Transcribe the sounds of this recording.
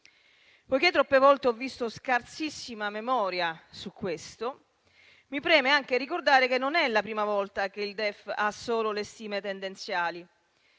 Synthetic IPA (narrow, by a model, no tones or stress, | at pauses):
pɔjket̪ːɾɔpːevɔlt̪eɔvːist̪oskart̪sisːimamemɔːɾjasukːwest̪o | mipɾɛːmeaŋk̟erikord̪aːɾek̟enːonɛlapɾiːmavɔlt̪akeild̪ɛfasːoːlolest̪iːmet̪end̪ent̪sjaːli